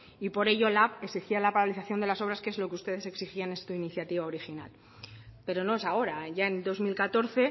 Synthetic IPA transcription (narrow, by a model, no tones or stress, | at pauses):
ipo̞ɾe̞ʝo̞lape̞ksixialapaɾaliθaθjo̞nd̪e̞laso̞β̞ɾaskee̞zlo̞keust̪e̞ð̞e̞se̞ksixianest̪uiniθjat̪iβao̞ɾixina̰l | pe̞ɾo̞no̞e̞sao̞ɾaʝae̞nd̪o̞zmilkat̪o̞ɾθe̞